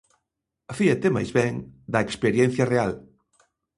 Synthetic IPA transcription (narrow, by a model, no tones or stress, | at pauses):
afiɐt̪ema̰jzβɛŋd̪ɐekspeɾjɛn̟θjɐreal